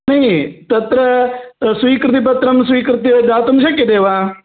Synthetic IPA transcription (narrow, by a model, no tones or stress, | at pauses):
nəĩːt̪ət̪ɾəsʋiːkɾt̪iːpət̪ɾəmswiːkɾt̪iod̪aːt̪ʊmʃəkːed̪eːʋãː